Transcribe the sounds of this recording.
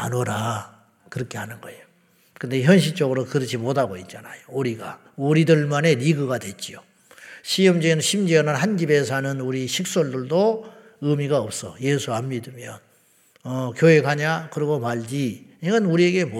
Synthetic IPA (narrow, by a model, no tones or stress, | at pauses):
anoɾa | kɯɾʌkʰe̞hanɯnɡʌejo | kɯnde̞çjʌnɕ̬ʰit͡ɕ͈ʌɡɯɾokɯɾʌt͡ɕʰimodʰaɡoit̚t͡ɕ͈anajouɾiɡa | uɾidɯɭmane̞ɾiɡɯɡadwe̞t͡ɕ͈io | ɕʰijʌmd͡ʑinɕʰimd͡ʑiʌnɯnhand͡ʑibe̞sʰanɯnuɾiɕʰik̚s͈oɭdɯɭdo | ɯmiɡaʌp̚s͈ʌ̰je̞sʰuamɲidɯmjʌn | ʌkjoe̞kaɲakɯɾiɡomaɭd͡ʑiiʌnuɾie̞ɡe̞mo